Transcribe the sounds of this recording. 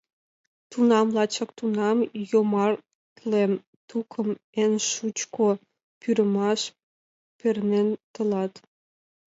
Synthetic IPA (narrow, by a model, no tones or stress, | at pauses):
t̪unɑmlɑt͡ɕəkt̪unɑmjomɑr | t̪lem | t̪ukʰə̆menʃut͡ɕkʰo | pyɾə̆mɑʃ | pernent̪ə̆lɑt̪